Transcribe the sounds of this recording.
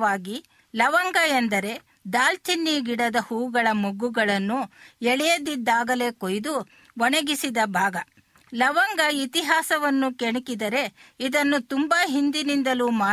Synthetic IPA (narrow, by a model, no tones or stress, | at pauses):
aːɡi | lɐʋɐŋɡɐend̪ɐɾe̞ | d̪aːlt̪ʰinːiɡiɽɐd̪ɐhuːɡɐɭɐmoɡuɡɐɭɐnːuɛɭɛjɐd̪id̪ːaːɡɐle̞ːkojd̪u | ʋɔnɐɡisid̪ɐbʱaːɡɐ | lɐʋɐŋɡɐit̪iɦaːsɐʋɐnːukeɳikid̪ɐɾe̞id̪ɐnːut̪umbaɦind̪inind̪ɐlumaː